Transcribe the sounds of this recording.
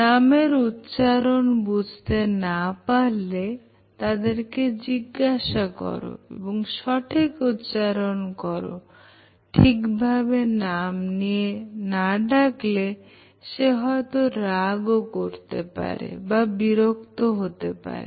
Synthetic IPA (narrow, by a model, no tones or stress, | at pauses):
nameɾut̪ːʃaɾonbud͡ʑʱt̪enapaɾle | t̪ad̪eɾked͡ʑiɡːaʃakɔ̰ɾo̰ḛboŋʃɔʈʰikut̪ːt͡ʃaɾonkɔɾo̰ | ʈʰikbʱabenamnienaɖakle | ʃeɦɔet̪oɾaɡokoɾt̪ḛpa̰ɾḛbabiɾokt̪oɦot̪epa̰ɾḛ